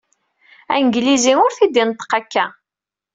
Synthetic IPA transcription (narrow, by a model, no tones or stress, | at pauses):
æ̰nɡlizimʊɾθid̪int̪ːə̥qækːæ